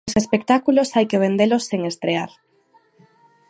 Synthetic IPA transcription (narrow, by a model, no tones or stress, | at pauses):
sespek̚t̪akulosajkeβ̞end̪elosːeŋest̪ɾeaɾ